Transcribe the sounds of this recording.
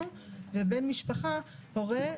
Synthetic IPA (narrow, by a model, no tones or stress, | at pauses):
uvebe̞nmiʃpaχapoʁe